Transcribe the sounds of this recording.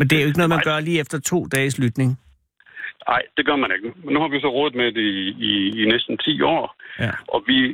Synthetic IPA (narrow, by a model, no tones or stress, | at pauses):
mend̥e̝æɐjoe̝ɡ̥nɔ̽ðˠmæɡ̥ɶɐliːefd̥ɐt͡sʰo̝̰ːd̥ɛːslyd̥ne̝ŋ | ɑ̈ɪ̰d̥e̝ɡ̥ɶɐmæne̝ɡ̥ənumenːuhɑ̈ʋisɒ̽ʁɔːð̩ˠmed̥eiiːnesd̥n̩t͡sʰḭːɒ̰ːʔɒ̽ʋi